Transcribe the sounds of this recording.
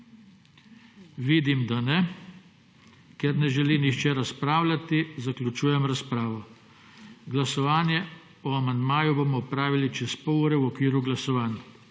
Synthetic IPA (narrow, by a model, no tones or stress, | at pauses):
ʋiːd̪imd̪anɛ | kɛɾnɛʒɛlinixt͡ʃɛɾaspɾaːwlʲat̪izaklʲut͡ʃuːjɛmɾaspɾaːʋɔ | ɡlasɔʋaːnjɛ | ɔamand̪maːjuboːmɔːpɾaːʋilit͡ʃɛspɔɔɾɛwɔkʋiːɾuɡlasɔʋaːn